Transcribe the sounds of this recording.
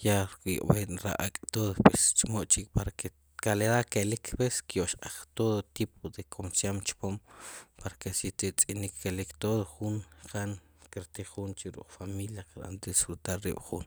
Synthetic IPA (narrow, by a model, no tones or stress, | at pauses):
jaɾkḭʔʼbeʔɾa̰ʔa̰kʼt̪oðopest͡ʃmoʔt͡ʃikpaɾake | kaleɾakelikʰpeskjoʔʃqaχt̪oðot̪ip̚ʰod̪ekʰomsjamt͡ʃpompaɾakesit͡s̪it͡sʼinikʰːelikt̪oðoχunqʰan | kiɾt̪iχunt͡ʃiɾṵq͡χfamiljaqaɾa̰nt̪sfɾut̪alːḭːɓ̥χun